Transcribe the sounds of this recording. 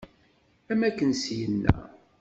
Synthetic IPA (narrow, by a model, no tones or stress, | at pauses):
æmækːənsjənːæ̰